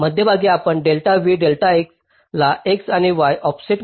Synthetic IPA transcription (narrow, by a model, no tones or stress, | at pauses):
məd̪ʱjəbʱaɡiːapəɳɖelʈaʋiɖelʈaeks | laʔeksañiʋajʔɔpsiʈ